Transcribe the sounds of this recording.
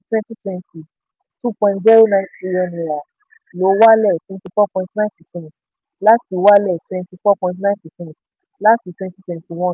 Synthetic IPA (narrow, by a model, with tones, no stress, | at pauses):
twɛ̃˦nti˦twɛ̃˧nti˨ | tũ˦pɔ̃˧nd͡ʒɛ˦ɾu˦nã˧˨˦i˧jɔ̃˧nĩ˨ɾa˨ | lo˨˦wa˦lɛ˦˨twɛ̃˧˦nti˧fɔ˦˨pɔ̃˧ĩntnã˦pɛ˨sɛ̃˦nt | la˦ti˨˧wa˦lɛ˦˨twɛ̃˧nti˧fɔ˦˨pɔ̃˧ĩ˧nt̬nã˦pɛ˨sɛ̃˦n˨t | la˦ti˧twɛ̃˧nti˦twɛ̃˧nti˨w̃ɔ̃˦